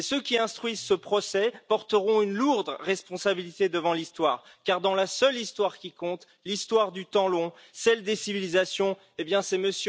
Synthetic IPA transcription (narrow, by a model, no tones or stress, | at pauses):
esøkʲiɛ̃st̪χɥizsəpχɔsɛpɔʁt̪əʁɔ̃ynluʁd̪ʁɛspɔ̃sabilit̪ed̪əvɑ̃list̪waːʁ | kaʁd̪ɑ̃lasœlist̪waʁkʲikɔ̃t̪ | list̪waʁd̪yt̪ɑ̃lɔ̃ | sɛld̪esivilizasjɔ̃ | ebjɛ̃sɛməs